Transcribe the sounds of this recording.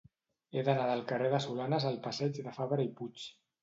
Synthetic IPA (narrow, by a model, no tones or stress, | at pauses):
eðənaðəlˠkəreðəsulanəzəlˠpəsɛd͡ʒðəfaβɾəiput͡ʃ